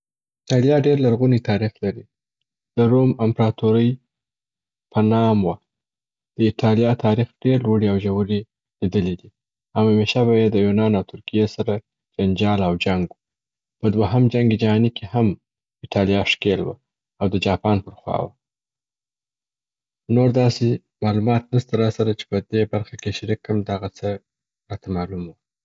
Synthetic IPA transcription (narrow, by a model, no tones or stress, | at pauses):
ɪʈɑljɑɖeɾlaɾɣunit̪ʰɑɾixlaɾi | d̪̥əɾomɪmpɾɑt̪uɾəj | pʰənɑmwa | d̪̥əɪʈʰɑljɑt̪ʰɑɾixɖ̥eɾlwuɽiawʒawəɾi | lid̪əled̪i | awameʃabajed̪əjunɑnawt̪ʰʊɾkijesaɾa | d͡ʒand͡ʒɑlawd͡ʒaŋɡwu | pəd̪waɦamd͡ʒaŋɡed͡ʒaɦɑnikeham | ɪʈɑlijɑʂkelwa̰ | awd̪əd͡ʒɑpɑnpəɾxwɑ̰wa̰ | noɾd̪ɑse | mɑlumɑt̪nəst̪aɾɑsaɾət͡ʃe̥pəd̪ebaɾxakeʃaɾikːəmd̪aɣat͡sə | ɾɑt̪amɑlumwu